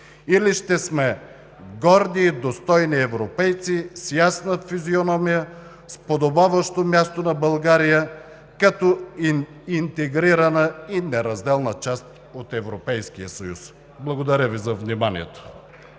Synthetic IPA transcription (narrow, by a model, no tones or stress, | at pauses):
iliʃt̪ɛsmɛ | ɡɔɾd̪id̪ost̪ɔjniɛvɾopɛjt̪sisjasnəfizionɔmijə | spod̪obavəʃt̪omʲjast̪onɐbɐlˠɡaɾijə | kat̪ɔ | int̪ɛɡɾiɾɐnəinɛɾɐzd̪ɛlˠnət͡ʃast̪ | ot̪ɛvɾopɛjskijəsɐjṵs | blˠɐɡod̪ɐɾʲəvizɐvnimanḭɛt̪o̥